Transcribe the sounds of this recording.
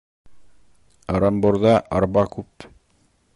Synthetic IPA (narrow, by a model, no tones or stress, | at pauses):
ɾɑmboɾðɑʔɑɾbɑkʉp